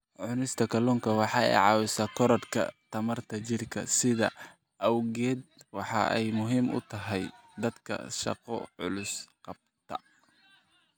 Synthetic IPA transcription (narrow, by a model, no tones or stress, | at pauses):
ʕʊnɪst̪ʰɐkʰɐlɔːŋkʰɐwɑħɑːɛ̰jʕɑːwɪsaːkʰɔɾɔd̪kʰɐ̰t̪ʰɐmɐrt̪ʰɐt͡ʃɪrkʰɐ̰sɪðɐ̰ | ʔɐwɣɛːd̪̚wɑħɑɛjmʊɦiːmʊ̰t̪ʰɐɦɛjd̪ɐd̪kʰɐ̰ʃɑ̰qɔ̰ʕʊ̰lʊsqɑb̚t̪ʰɐ